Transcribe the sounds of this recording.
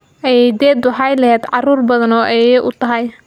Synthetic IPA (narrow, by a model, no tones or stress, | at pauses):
ʔɛjɛjd̪ɛːd̪wɑħɑjlɐɦɛːd̪ʕɑruːrbɐðɐnɔːʔɛjɛjʔʊt̪ʰɐɦɐj